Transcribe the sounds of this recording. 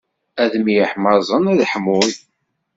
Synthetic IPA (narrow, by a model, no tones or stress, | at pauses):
æðmijħməɾzˤənæðħmʊð